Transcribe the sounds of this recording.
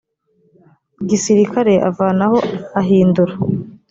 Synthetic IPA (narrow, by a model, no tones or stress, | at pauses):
ɡisiɾikʰaɾe̞ʔa̰vaːnaho̞aɦiːnduɾa